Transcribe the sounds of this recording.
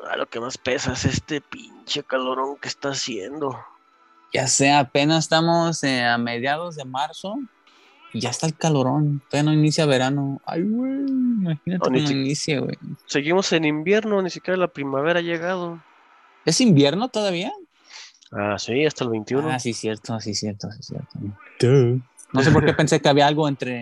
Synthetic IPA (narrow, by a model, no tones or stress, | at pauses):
a̰lʔo̰kemaspe̞saesest̪epint͡ʃekaloɾoŋkest̪aːsjḛnd̪o | ɟ͡ʝaseaːpe̞nasest̪amoseame̞ð̞jað̞o̞zðe̞maɾso̞ | iʝaest̪aelkalo̞ɾo̞nt̪ojanoinisjaβe̞ɾano̞a̰jɣwejimaxinateninoinisjaɣwḛjseɣimosenimbje̞ɾnonisikjeɾalapɾimaβeɾaaʝeɣað̞o | e̞simbje̞ɾnot̪o̞ðaβ̞ia | a̰siast̪aelβejnt̪iunoasisjeɾt̪osisjeɾt̪osisjḛɾt̪o̰t̪u | nose̞po̞ɾke̞pe̞nse̞keaβiaalɣo̞ent̪ɾe̞